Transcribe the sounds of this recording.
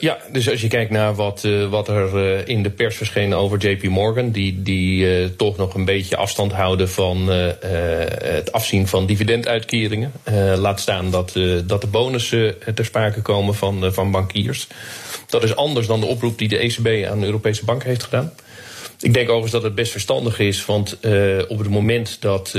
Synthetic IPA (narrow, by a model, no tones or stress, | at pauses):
jadøs̬ɑs̬jəkɛjk̚tnaːɹʋɑtʋɑtɛɹɪndəpɛɹsfəɹsχejnowvəɹd͡ʒejpimɔɹɡəndiditɔχnɔχənbejcə̰ʔɑ̰fstɑntɦʌwdəvɑn | ətʰɑfsinvɑndividɛntœɥtkɪːrɪŋənlaːtstaːndɑtdɑt̚dəboːwnəsətɛɹspraːkəkowməvɑnvɑnbɑŋkiːɹsd̥ɑtɪsɑndəsdɑndəʔɔprup̚didəʔesebeja̰ːndəøːropejsəbɑŋkɦejftχədaːn | ʔɪɡ̚dɛŋkokəzdɑtɦəd̚bɛstfəɹstɑ̰ndəχɪsʋɑntɔpətmowmɛntdɑt